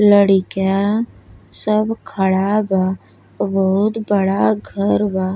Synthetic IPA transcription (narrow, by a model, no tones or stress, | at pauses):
ləɽɪka | səbkʰəɽaba | bəɦʊt̪bəɽaɡʱəɾba